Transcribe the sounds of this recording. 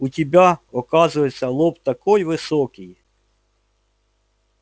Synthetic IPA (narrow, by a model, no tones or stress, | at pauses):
utʲibʲaɔkɑzʊjet͡sʲːɐlˠɔpt̪ɐkɔjʋɪsɔkɪj